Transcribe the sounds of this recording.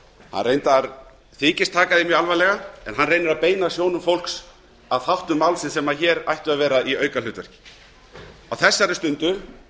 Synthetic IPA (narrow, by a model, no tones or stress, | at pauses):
ha̰nrejnt̪aɾ | θɪːcɪst̪ʰaːkaðɪmjalvajlɛɣaɛ̰nɦanrejnʏɾaðpeːjnasjoːwnʏmfowlks | aðθawht̪ʏmːawlsɪnsɛmaçɛːɾa̰jht̪ʏaðvɛːɾaiœːɥkalʏːt̪vœr̥cɪ̥ | awθɛsːaɾʏst̪ʏnt̪ʏ